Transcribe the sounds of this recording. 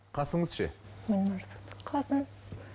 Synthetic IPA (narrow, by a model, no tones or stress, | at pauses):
qʰɑsəɴəzʃḛmenmɑɾsɑ̥t̪qʰɑsən